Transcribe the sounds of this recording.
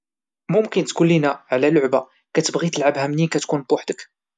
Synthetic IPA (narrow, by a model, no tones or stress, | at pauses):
mʊmkənt̪kʊlːinæʕlælʊʕba | kæt̪əbɣit̪əlʕəbhæmnikæt̪kunbʊħd̪ək